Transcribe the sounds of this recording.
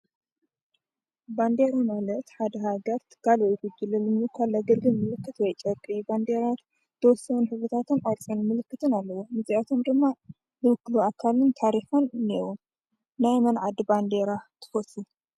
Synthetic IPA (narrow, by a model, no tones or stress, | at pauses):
band̪eɾamalɐt̪ħad̪ɐɦaɡɐɾt̪ʰɨ̥kʰːalwɔjɡud͡ʒɨlɐlɨmɨkʰalaɡɐlɡɨlmɨlɨkːɨt̪wɔjt͡ʃʼɐkʼiband̪eɾat̪ | t̪ʰːɐwɔsːɐwunħɨβɾɨt̪ʰat̪ʰɨnʔaɾt͡sʼɐnmɨlɨkːɨt̪ʰɨnalːɐwomɨziʔat̪ʰo̞md̪ɨmːa | zɨwɨkːluakʰalɨnt̪ʰaɾiħɐnnewu | najmɐnʕad̪band̪eɾat̪ʰɨ̥fɐsu